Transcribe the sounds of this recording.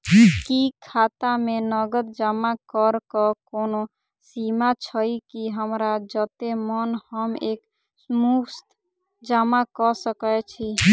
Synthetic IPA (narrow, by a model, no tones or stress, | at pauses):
kikʰat̪amenəɡəd̪d͡ʒamakəɾkəkono | simat͡ʃʰəikiɦəmɾad͡ʒət̪emənhəmeːk | smukst̪ | d͡ʒamakəsəkət͡ʃʰi